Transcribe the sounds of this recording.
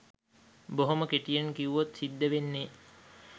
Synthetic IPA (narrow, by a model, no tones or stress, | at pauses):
boɦoməkeʈijənkiuʋot̪sid̪ːəʋenːe